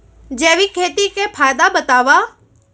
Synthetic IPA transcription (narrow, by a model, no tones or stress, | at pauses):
d͡ʒeːʋikʰeːt̪ikʰepʰaːjd̪abət̪aːʋa